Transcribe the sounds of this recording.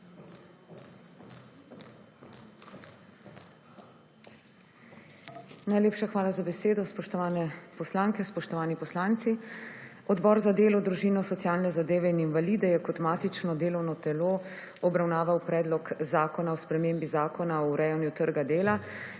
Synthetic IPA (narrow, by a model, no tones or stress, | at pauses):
najleːpʃaxʋaːlazabɛseːd̪ɔspɔʃt̪ɔʋaːnɛpɔslaːŋkɛspɔʃt̪ɔʋaːnipɔslaːnt̪si | ɔd̪bɔːɾzad̪eːlɔd̪ɾuʒiːnɔsɔt̪sijaːlnɛzad̪eːʋɛininʋaliːd̪ɛjɛkɔt̪maːt̪it͡ʃnɔd̪eːlɔwnɔt̪ɛloː | ɔbɾawnaːʋawpɾɛːd̪lɔkzaːkɔnaɔspɾɛmeːmbizaːkɔnaɔɾɛjɛnjut̪əɾɡad̪eːla